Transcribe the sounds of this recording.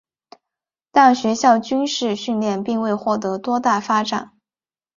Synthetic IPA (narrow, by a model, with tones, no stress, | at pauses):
t̪a˥˩nɕɥɛ˧˥ɕjɑ˥˩ʊt͡ɕy˥nʂɻ̩˥˧ɕy˥˧nljɛ˥˧npi˥˧ŋwe˥˧ɪxwɔ˥˩t̪̬ɤ˧˥t̪wɔ˥t̪a˥˩fa˥ʈ͡ʂa̰˨˩˦n